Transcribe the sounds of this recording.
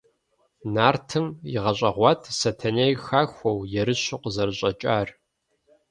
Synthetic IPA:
naːrtʰɨmjɪ̰ʁɐɕʼɐʁʷɑtʰsɐtʰɐnejxaːxʷɔwjɛɾɨɕʷʊqəzɐrɨɕʼɐt͡ʃʼaːr

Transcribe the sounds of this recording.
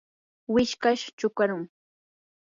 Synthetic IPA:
wɪʃkaʃt͡ʃʊkaɾʊŋ

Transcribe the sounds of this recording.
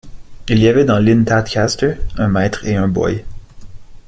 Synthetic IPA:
ilijavɛd̪ɑ̃lɪnt̪at̪kʰʲast̪ə˞ɛ̃mɛːt̪χeœ̃bɔ̰j

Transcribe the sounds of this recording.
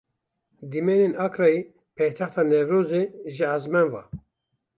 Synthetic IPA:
d̪imɛnenɑkɾɑi | pʰɛjt̪ʰɑxt̪ʰɑːnɛvɾoːzeʒɨazmɛnvɑ̰ː

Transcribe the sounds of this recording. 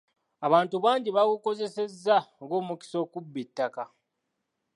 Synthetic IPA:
aβaːntuβaːɲɟiβakuko̞ze̞se̞zːaoɡo̞ːmuki̥so̞ːkubːitːaka

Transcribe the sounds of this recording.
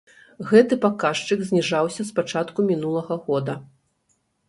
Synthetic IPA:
ɣɛt̪ɨpakaʂt͡ʂɨɡzʲnʲiʐawsʲɐspat͡ʂat̪kumʲinulˠɐɣɐɣɔd̪ɐ

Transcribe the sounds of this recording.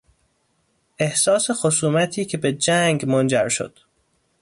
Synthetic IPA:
ʔe̞hsɒːsexosuːmæt̪ʰiːcʰe̞be̞d͡ʒæŋɡmond͡ʒæɾʃo̰d̪̥

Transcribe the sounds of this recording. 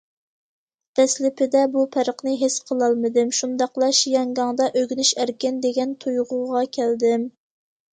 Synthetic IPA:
t̪ʰɛslɪpʰɪd̪ɛbupʰæɾəqnɨɦesqʰəlˠɑlˠmɨd̪ɪmʃund̪ɑqlˠɑʃjɑŋɡɑŋd̪ɑʔøɡʲnyʃæɾkʲɪnd̪eɡʲɛnt̪ʰujʁʊʁɑkʲʰæld̪ɪm

